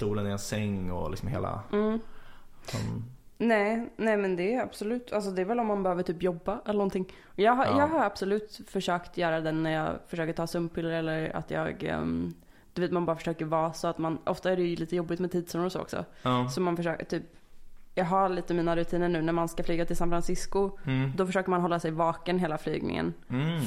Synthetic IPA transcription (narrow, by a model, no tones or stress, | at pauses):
st̪uːlənɪɛnsɛŋːɔ̰lɪ̰ksɔmhḛːla̰m̩ː | ɔ̰ | nɛːnɛːmɛnd̪ɛa̰b̥sʊlʉ̟ːt̪ʰals̬ɔd̪ɛævɛlɔmːanbɛhøːvəʈʰyːpjɔbːaɛlːənɔnt̪ʰɪŋː | ɔjɑːɡɦajɑːɡɦaɾab̥sɔlʉ̟ːt̪fœʂøːkt̪jœːɾad̪ɛnːæɾjɑ̰ːfœʂøːkəʈʰɑːsɵmpʰːɪlːɾɛlːəɾa̰t̪jɑ̰ːɡ | d̪̥ɵveːt̪manbɑːɾafœ̥ə̥ʂøːkəɾvɑːsɔat̪manʔɔ̰ft̪aæɖɛjɵliːt̪əjɔbːɪt̪mɛt̪ʰiːd̪sunɾɔso̰ːɔ̰ksɔ̰ | sɔmanfœʂøːkʈ̪ʰyːp | jɑːɡɦaɭiːt̪əmiːnaɾʉt̪ʰiːnəɳʉ̟ːnæɾmanskaflyːɡat̪ʰɪlsanfɾansɪskʊd̪ɔfœʂøːkəɾmanɦɔlːasɛjvɑːkənɦeːlafly̰ːɡnɪ̰ŋə̰n